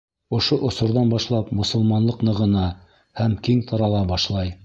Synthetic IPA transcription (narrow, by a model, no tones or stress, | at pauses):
ŏʃoʔŏsŏɾðɑnbɑʃlˠɑpmŏsŏlˠmɑnlˠɤqnɤ̆ʁɤ̆nɑ | hæmkiŋt̪ʰɑɾɑlˠɑbɑʃlˠɑj